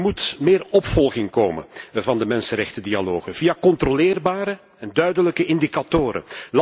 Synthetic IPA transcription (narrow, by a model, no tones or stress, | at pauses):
mutmɪːrɔpfɔlˠɣɪŋkoːmə̰nvɑndəmɛnsənɾɛxtədialoːɣəvijakɔntrolɪːrbaːɾə | ɛndœɥdələkəʔɪndikatoːɾə̰l